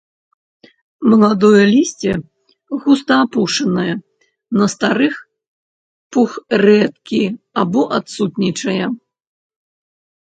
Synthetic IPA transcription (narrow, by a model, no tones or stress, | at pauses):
mɐlˠad̪ɔjɐlʲisʲt͡sʲɛ | ɣust̪ɐapuʂɐnɐjɐ | nɐst̪aɾɨx | puxrɛt̪kʲi | abɔʔat̪sut̪nʲit͡ʂɐjɐ